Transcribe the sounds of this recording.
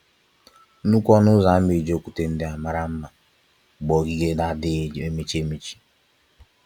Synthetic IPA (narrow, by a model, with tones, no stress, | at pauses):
nu˦kʷɔ˦nʊ˦za˨˦mi˨d͡ʒo˦˨kʷu˨te˨n̩˦dɪ˦a˨ma˨ɾa˦m̩˦ma˨ | ɡ͡bɔ˨ɡi˦ɡe˦da˦dɪ˦˨e˦me˦t͡ʃi˦e˦me˦t͡ʃi̥˦